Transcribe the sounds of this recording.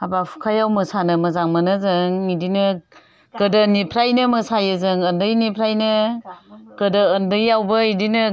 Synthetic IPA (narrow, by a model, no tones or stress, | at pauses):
abapʰu̥kʰajawmɯsanɯmɐzaŋmanɯzɯŋidinɯ | ɡ̥ɯdənipʰɾajnɯmɯsajɯzɯŋəndɯjnipʰɾajnɯ | ɡ̥ədəːndɯjːawbəidinɯ